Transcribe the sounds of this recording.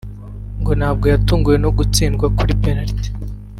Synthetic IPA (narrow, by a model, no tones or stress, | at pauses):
ŋɡo̞nhaːb̚ɡo̞jatuːŋɡuje̞no̞ɡut͡siːnɡwakuɾipeɾaɾte̥